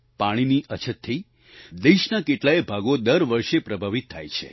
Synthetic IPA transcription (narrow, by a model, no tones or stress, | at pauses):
paɽ̃iniʔət͡ʃʰət̪ʰːəi | d̪eʃnakeʈlaebʱaɡod̪əɾʋəɾʃepɾəbʱaʋit̪ʰːa̰jt͡ʃʰḛ